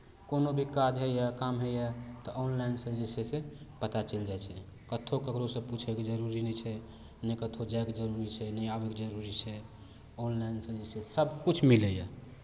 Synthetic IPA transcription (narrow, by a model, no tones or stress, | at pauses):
konobʱikad͡ʒɦejakamɦejat̪ɔʔonlainsəd͡ʒesesẽpət̪at͡ʃəld͡ʒajt͡ʃʰɛ | kət̪ʰokəkɾosə̃put͡ʃʰɛked͡ʒəɾuɾinɛt͡ʃʰɛ | nekət̪ʰod͡ʒaeked͡ʒəɾuɾit͡ʃʰɛnəjabeked͡ʒəɾuɾit͡ʃʰɛ | onlainsə̃d͡ʒesesəbʱkut͡ʃʰmiləja